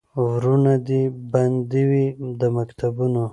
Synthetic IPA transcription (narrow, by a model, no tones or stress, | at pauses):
wɾunad̪iband̪iwid̪əmakt̪ʰabuno